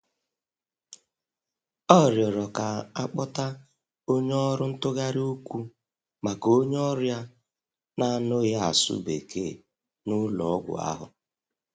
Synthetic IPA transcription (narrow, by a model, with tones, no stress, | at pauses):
ɔ˦˨ɾjɔ˨ɾɔ˨ka˨a˦k͡pɔ˦ta˦ | o˦ɲ˦ɔ˦ɾʊ˦n̩˦tʊ˦ɣa˦ɾi˦o˦kʷu˦ | ma˨ko˦ɲ˦ɔ˦ɾʊ˦ja˦ | na˦˨no˦ja˦a̰˨sʊ̰˦be˨ke˦˨ | nʊ˦lɔ˨˦ɡʷʊ̰˨a̰˦ɦʊ̰˨